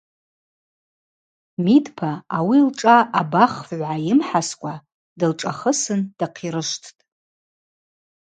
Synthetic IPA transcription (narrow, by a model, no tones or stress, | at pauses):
midpʰaːwilʈ͡ʂʼaʔabaχvʕʷajɪmħaskʷʼa | dɨlʈ͡ʂʼaχəsɨnd̥aqʰiɾɨʂtʰtʼ